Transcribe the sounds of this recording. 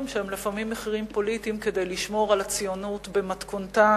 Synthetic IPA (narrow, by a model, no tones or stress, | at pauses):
mʃehemlifamimːeχiʁimpo̞lit̪imke̞de̞jliʃmo̞ʁalat͡sijonut̪bemat̪konta